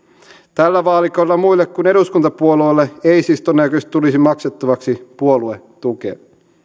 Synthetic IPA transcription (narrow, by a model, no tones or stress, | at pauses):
t̪ælːæʋɑːlikoilːɑmuilːekkune̞ɾuskunt̪ɑpuoluelːeeisist̪onækøst̪t̪ulisimɑkset̪ːɑʋɑksipuolue | t̪ukḛɑ